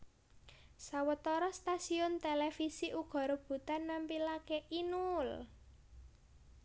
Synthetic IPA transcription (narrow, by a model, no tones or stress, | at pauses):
sawət̪ɔɾɔst̪asiʊnt̪elefisiʔuɡ̥ɔ̤ɾəb̥ṳt̪anːampilakeʔinul